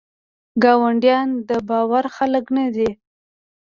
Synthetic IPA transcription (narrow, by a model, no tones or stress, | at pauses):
ɡɑwaɳɖjɑnd̪əbɑwaɾxaləknad̪i